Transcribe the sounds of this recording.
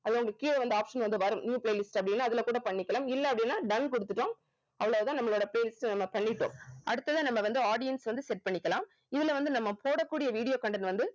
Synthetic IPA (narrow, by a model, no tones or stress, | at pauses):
ɐðʊŋɡɐɭɯkːiːlɐʋɐnd̪ɯaːpʂɐnʋɐnd̪ɯʋɐɾɯmniːpleːlɪsʈɐpːɐɽɪnːaːɐðɪlɐkuːɽɐpɐɳːɪkːɐlaːmɪlːɐɐpːɐɽɪnːaːɖɐnkɔɽɯt̪ːɯʈːõːm | ɐʋɐɭaːʋɯt̪ːãnɐmːɐɭoːɽɐpleːlɪsʈnɐmːɐpɐɳːɪʈːo̰ːmʔɐɽɯt̪ːɐðanɐmːɐʋɐnd̪ɯaːɽɪjɐnsʋɐnd̪ɯsɛʈ̚pɐɳːɪkːɐlãːm | ɪðɪlɐʋɐnd̪ɯnɐmːɐpoːɽɐkːuːɽɪjɐʋiːɽɪjoːkɐɳɖɐnʋɐnd̪ɯ